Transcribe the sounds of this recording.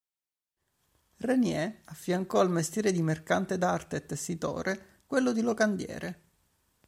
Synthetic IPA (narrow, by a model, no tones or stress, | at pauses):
renjɛafːjaŋkɔalmest̪jɛːɾed̪imerkant̪ed̪art̪et̪ːesːit̪o̰ːɾe | kwelːod̪ilokand̪jɛ̰ːɾe